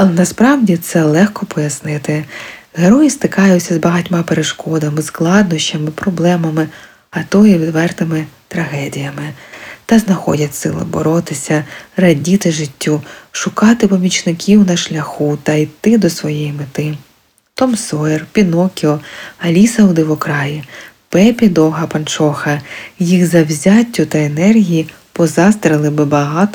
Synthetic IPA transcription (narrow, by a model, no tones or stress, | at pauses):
ɐlˠɛnɐspɾɑwdʲit̪sɛlˠɛxkɔpɔjɐsnɪt̪ɪɦeɾɔjist̪ɪkɑjʊt͡sʲːɐzbɐɦɐtʲmɑpeɾeʃkɔd̪ɐmɪsklˠɑd̪nɔʃt͡ʃɐmɪpɾɔblˠɛmɐmɪ | ɐt̪ɔjiʋʲid̪ʋɛrt̪ɪmɪt̪ɾɐɦɛdʲijɐmɪt̪ɐznɐxɔ̰dʲɐtʲsɪ̰lˠɪ̰bɔ̰ɾɔt̪ɪsʲɐrɐdʲit̪ɪʒɪtʲːuʃʊkɑt̪ɪpɔmʲit͡ʃnɪkʲʰiwnɐʃlʲɐxut̪ɐit̪ɪd̪ɔsʋɔjɛjimɪt̪ɪ | t̪ɔmsɔɛrpʲinɔkʲiɔɐlʲisɐwd̪ɪʋɔkɾɑji | pɛpʲid̪ɔɦɐpɐnt͡ʃɔxɐjiɣzɐwzʲatʲːʊt̪ɐenɛrɦʲiji | pɔzɑst̪ɾɪlˠɪbɪbɐɦɑt̪